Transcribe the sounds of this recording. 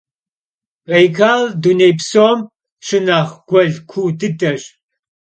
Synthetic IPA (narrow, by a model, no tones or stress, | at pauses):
ʁejkʰaːldunejpsoːm | ʃɨnaːχɡ̥ʷɔɮkʷʰuːdɨdɐɕ